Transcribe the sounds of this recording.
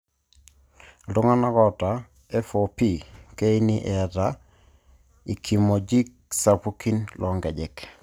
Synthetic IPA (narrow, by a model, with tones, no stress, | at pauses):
do˦ŋa˦na˦kɔ˦ta˨ | ɛ˦fopi˦ke˦i˦ni˦ʔɛa˨ta | i˨kʰi˨mo˨d͡ʒi˦k̚ | sapu˦ki˦nlʔɔ˨ŋɡɛ˨d͡ʒɛ˨k